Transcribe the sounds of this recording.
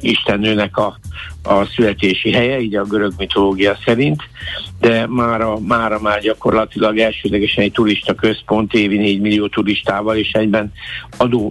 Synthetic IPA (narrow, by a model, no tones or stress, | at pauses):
iʃt̪ɛnːøːnɛkɒː | sylɛt̪eːʃiɦɛjɛiːɟɒɡøɾø̞ɡmit̪o̞loːɡijɒsɛɾint̪d̪ɛmaːɾɒmaːɾɒmaːrɟɒko̞rlɒt̪ilɒɡɛlʃøːd̪lɛɡɛʃɛnɛc̚t̪uɾiʃt̪ɒkø̞spo̞nt̪eːvineːɟmilːijoːt̪uɾiʃt̪aːvɒleːʃɛɟbɛn | ɒd̪oː